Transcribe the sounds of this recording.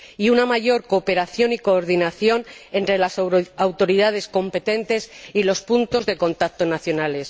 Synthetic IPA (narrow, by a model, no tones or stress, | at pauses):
iunamaʝo̞ɾko̞ːpe̞ɾaθjo̞niko̞ːɾðinaθjo̞ne̞nt̪ɾe̞lasawt̪o̞ɾiðað̞e̞sko̞mpe̞t̪e̞nt̪e̞silo̞spunt̪o̞zðe̞ko̞nt̪ak̚t̪o̞naθjo̞nale̞s